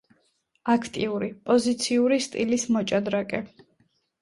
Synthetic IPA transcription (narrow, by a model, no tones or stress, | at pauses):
akʰt̪ʼiuɾipʼɔzit̪sʰiuɾist̪ʼilismɔt͡ʃʼad̪ɾakʼɛ